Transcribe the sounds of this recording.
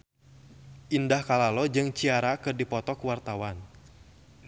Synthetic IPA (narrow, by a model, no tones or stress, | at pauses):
ʔindahkalalɔd͡ʒɨŋt͡ʃiaɾakɨrdipɔt̪ɔkuwart̪awan